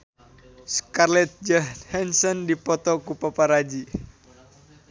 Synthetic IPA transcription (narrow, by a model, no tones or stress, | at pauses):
skarlɛt̪̚d͡ʒaɦhɛnsɔndipɔt̪ɔkupapaɾad͡ʒi